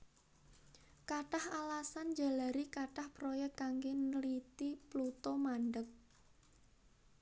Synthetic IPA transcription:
kaʈahalasand͡ʒa̤laɾikaʈahpɾɔjɛk̚kaŋɡenəlit̪iplut̪ɔmaɳɖək̚

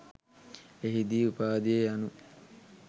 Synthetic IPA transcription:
eɦid̪iːupaːd̪ejejanu

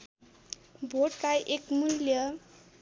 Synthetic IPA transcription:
bʱoʈkajʔekmuljʌ

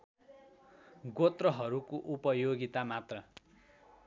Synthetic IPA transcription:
ɡot̪rʌɦʌɾukoʔupʌjoɡit̪amat̪rʌ

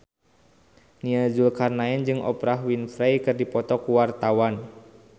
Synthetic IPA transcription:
niad͡ʒulkarnaɛnd͡ʒɨŋɔ̰pɾaɦwinfɾajkɨrdipɔt̪ɔkuwart̪awan

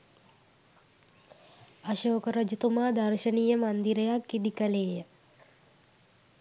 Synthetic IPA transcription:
aʃoːkəɾəd͡ʒut̪umaːd̪ɐɾʃəniːjəmand̪iɾəjakːid̪ikəleːjə

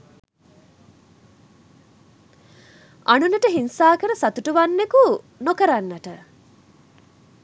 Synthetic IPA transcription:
ʔɐnunɐʈəɦinsaːkəɾɐsɐt̪uʈuʋanːeku | nokɐɾanːɐʈə

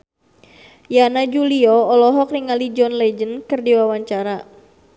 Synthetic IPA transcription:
janad͡ʒuliɔːlɔɦɔk̚niŋalid͡ʒɔnlɛd͡ʒənkɨrdiwawaɲt͡ʃaɾa

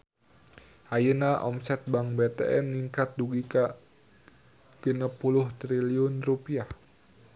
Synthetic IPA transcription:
hajənaʔɔ̰msɛt̪̚baŋbet̪ɛ̰ʔɛnːiŋkat̪̚duɡika | ɡ̥ənapuluht̪ɾiliʊnrupiah

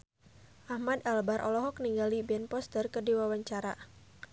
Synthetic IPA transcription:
ʔahmad̪albaɾʔɔlɔɦɔk̚niŋɡalibɛnpɔst̪ərkədiwawaɲt͡ʃaɾa

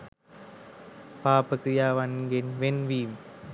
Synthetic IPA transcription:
paːpəkɾijaːʋanɡenʋenʋiːm

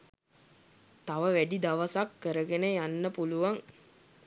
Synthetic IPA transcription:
t̪aʋəʋæɖid̪aʋəsakːəɾəɡenəjanːəpuluʋaŋ

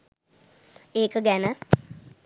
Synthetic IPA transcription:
eːkəɡɛnə

